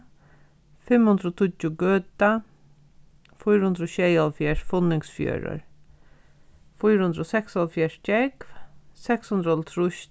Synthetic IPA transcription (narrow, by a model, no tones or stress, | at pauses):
fɪmhʊnd̪ɾɔt̪ʰʊt͡ʃːʊɡøːt̪a | fʊjɾhʊnd̪ɾɔɕɛjalfjɛʂfʊnɪŋsfjø̰ːɾʊ̰ɹ | fʊjɾʊnd̪ɾɔsɛksɔlfjɛʂcɛkvsɛkshʊnd̪ɾɔlt̪ʰɾʊʃ